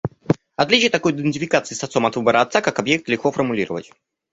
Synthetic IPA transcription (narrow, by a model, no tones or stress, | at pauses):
ɐt̪lʲit͡ɕɪjət̪ɐko̞jɪd̪ʲɪnʲtʲɪfʲɪkat̪sɨisɐt̪o̞mɐt̪vɨbəɾəɐt̪sakakɐbjek̚t̪lʲɪxko̞fərmʊlʲiɾəvə̰tʲ